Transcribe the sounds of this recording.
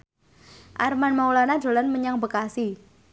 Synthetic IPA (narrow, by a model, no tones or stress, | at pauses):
ʔarmanmawlanḁdo̤lanməɲaŋbəkasi